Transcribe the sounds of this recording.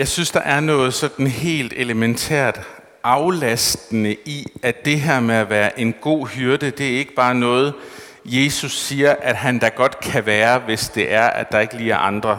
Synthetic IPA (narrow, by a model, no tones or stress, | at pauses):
jɑ̈ɪsynsd̥ɑ̈ʔæɐnɔ̽ːð̞̩ˠsɒ̽d̥n̩hɦe̝̰ːld̥e̝ləment͡sʰæ̰ɐ̰d̥ | ʔɑ̈ʊlæsd̥ənəʔiæd̥e̝ɦeɐ̰meæʋæːɐʔe̝nɡ̥o̝̰ːhyɐd̥əd̥e̝æɐe̝ɡ̥əb̥ɑ̈ːnɔ̽ːð̞̩ˠ | je̝ːsusːiːɐʔæd̥ɦænd̥æ̈ɡ̥ɒ̽d̥kʰæʋæːɐʋe̝sd̥e̝ʔæɐʔæ̰̥d̥ɑ̈e̝ɡ̥liːɐʔɑ̈nd̥ʁɐ